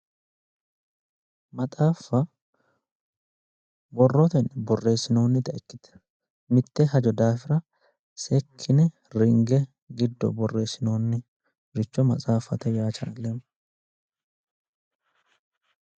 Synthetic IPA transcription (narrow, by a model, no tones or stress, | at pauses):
mɐt̪ʼaːfːɐ | bɔrːɔt̪ɛnbɔrːe̞ːsːɪno̞ːnːɪt̪ɐʔɛkːɪt̪ɛ̥ | mɪt̪ːɛhɐd͡ʒɔd̪aːfɪɾɐ | sɛkʰːɪnɛ | ɾɪŋɡɛ | ɡɪd̪ːɔ̰bɔrːe̞ːsɪno̞ːnːɪ | ɾɪt͡ʃːɔmɐt͡sʼaːfːɐt̪ɛjaːt͡ʃaːlːem